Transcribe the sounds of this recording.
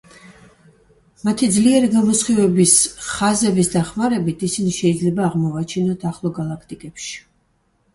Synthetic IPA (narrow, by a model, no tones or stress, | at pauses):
mat̪ʰid̪zliɛɾiɡamɔsχivɛbisχazɛbisd̪aχmaɾɛbit̪ʰisiniʃɛid̪zlɛbaːʁmɔvat͡ʃʰinɔt̪ʰaχlˠɔɡalˠakʰt̪ʼikʼɛpʃi̥